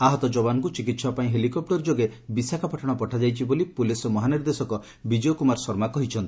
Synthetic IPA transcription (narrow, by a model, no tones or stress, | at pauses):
aɦɔt̪ɔd͡ʒɔbanɔŋkut͡ʃikit̪sɔpaĩɦelikɔp̚ʈɔɾd͡ʒoɡebisakʰapɔʈʰɔɽ̃ɔpɔʈʰad͡ʒajt͡ʃʰibolipulisɔmɔɦaniɾd̪esɔkɔ | bid͡ʒiokumaɾsɔɾmakɔɦit͡ʃʰɔnt̪i̥